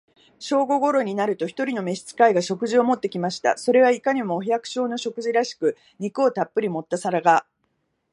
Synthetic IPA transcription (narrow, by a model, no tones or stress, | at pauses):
ɕo̞ːɡo̞ɡo̞ɾo̞ɲ̟inaɾɯ̟t̪o̞çi̥t̪o̞ɾʲino̞me̞ɕi̥t͡sɨ̥kaiɡaɕo̞kɯ̟ʑio̞mo̞t̪ːe̞kʲimaɕi̥t̪a̰so̞ɾe̞β̞aikaɲ̟imo̞ːçjakɯ̟̥ɕo̞ːno̞ɕo̞kɯ̟ʑiɾaɕi̥kɯ̟ | ɲ̟ikɯ̟o̞t̪apːɯɾʲimo̞t̪ːasaɾaɡa